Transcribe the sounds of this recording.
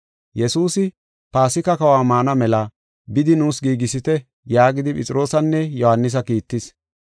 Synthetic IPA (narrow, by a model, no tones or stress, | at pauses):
jɛsuːsɪ | paːsɪkɐkɐwaːmaːnɐmɛlɐ | bɪd̪ɪnuːsɡiːɡɪsɪt̪ɛ | jaːɡɪd̪ɪpʼɪt͡sʼɪɾo̞ːsɐnːɛjɔhɐnːɪs̬ɐkiːt̪ːɪs